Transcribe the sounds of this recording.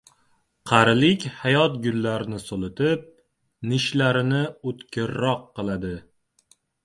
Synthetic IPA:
qʰɑɾɪlɪkʲhajɒt̪ɡʲʊlːaɾɪnɪsolˠɪt̪ʰɪp̚ | nɪʃlaɾɪnɪot̪kʲʰɪɾːɒqːɨlˠad̪ɪ

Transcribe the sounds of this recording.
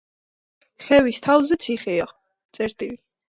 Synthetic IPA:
χɛvist̪ʰavzɛt̪sʰiχɛa | t̪sʼɛɾt̪ʼili

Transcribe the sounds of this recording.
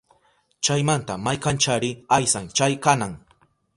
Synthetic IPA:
t͡ʃajmant̪amajkant͡ʃaɾɪajsaŋt͡ʃajkanaŋ

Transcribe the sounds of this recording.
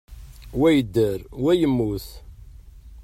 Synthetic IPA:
wæjəd̪ːəɾwæjəmːuθ

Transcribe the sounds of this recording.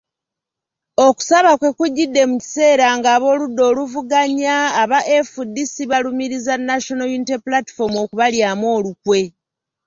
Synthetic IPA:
o̞ku̥saβakwe̞kuɟːidːe̞muci̥se̞ːɾaŋɡaːβo̞ːludːo̞ːluvuɡaɲaːβaʔefudːisiβalumiɾizanːaʃo̞nojunitepulati̥fo̞mo̞kuβaljaːmwo̞ːlukwe̞

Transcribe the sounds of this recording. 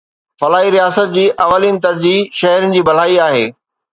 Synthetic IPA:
fɐlaːɦiɾijaːsət̪̚d͡ʑiːʔɐʋəliːnt̪ɐɾd͡ʑiːʃɐɦɛɾʊnɪ̆d͡ʑiːbɐl̤aːiaːɦeː

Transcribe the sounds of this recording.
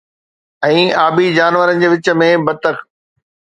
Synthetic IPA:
ɛ̃ːaːbid͡ʑaːnʋəɾənɪ̆d͡ʑeːʋɪt͡ɕə̆mẽbɐt̪ək

